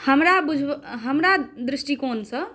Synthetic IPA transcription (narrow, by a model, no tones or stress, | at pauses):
həmɾabud͡ʒʱɦəmɾad̪ɾisʈikonsə̃